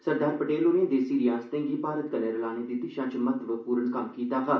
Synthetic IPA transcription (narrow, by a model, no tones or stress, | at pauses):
səɾd̪aːɾpəʈeːloːnẽːd̪eːsiːɾijaːst̪ẽːŋɡiːpaːɾət̪̚kəneɾlaːneːd̪ɪt̪iʃãt͡ʃmət̪ʋəpuːɾənkɐmkiːt̪aːɦa